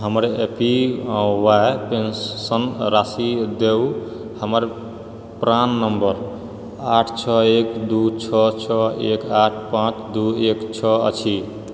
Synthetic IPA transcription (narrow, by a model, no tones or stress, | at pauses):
ɦəmɾepĩwaepensənɾasid̪ew | həməɾ | pɾanːəmbəɾ | aʈʰt͡ʃʰɔekd̪ut͡ʃʰɔt͡ʃʰɔekaʈʰpãt͡ʃd̪uekt͡ʃʰɔə̰t͡ʃʰi